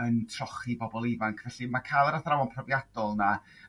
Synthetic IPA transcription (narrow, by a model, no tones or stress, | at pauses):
əntʰrɔχibɔbɔlˠɪvaŋkʰvɛɬimakʰaːlˠəɾaθɾawɔnpʰrɔvjad̥ɔlˠna